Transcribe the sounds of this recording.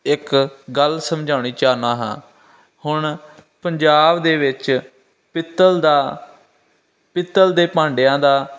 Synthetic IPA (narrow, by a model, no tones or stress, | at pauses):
ɪkɡəlsəmd͡ʒʱaːʊɳiːt͡ʃaːnãːɦã̰ː | hʊɳpəɲd͡ʒaːbd̪eːʋɪt͡ʃ | pɪt̪ːəld̪aː | pɪt̪ːəld̪eːpãːɳɖejãːd̪aː